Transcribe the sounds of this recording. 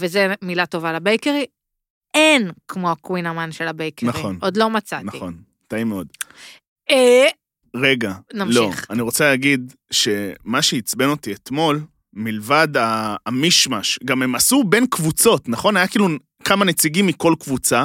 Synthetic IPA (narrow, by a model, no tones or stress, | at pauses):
vezemilato̞valabejkeʁi | enkmoakwinamanʃelabejkenaʁχio̞nod̪lo̞mat͡satnaiχo̞n | t̪aimeo̞d̪ | e | ʁe̞ɡanamloi̞χaniʁo̞t͡saleːɡid̪ | ʃe̞maʃeit͡sbeno̞t̪iet̪mo̞l | milvad̪aːmiʃmaʃɡamemasube̞nkvut͡so̞t̪naχo̞najakiːlu | kamane̞t͡siɡimːiko̞lkvut͡sa